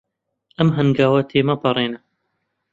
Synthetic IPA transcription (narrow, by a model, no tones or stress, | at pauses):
ʔɐmɦɐnɡaːwɐt̪ʰeːmɐpɐɾˤeːnɐ